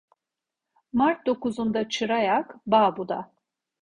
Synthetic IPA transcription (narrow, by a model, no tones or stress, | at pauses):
maɾt̪̚d̪o̞kuzund̪at͡ʃʰɯɾajakbaːbud̪a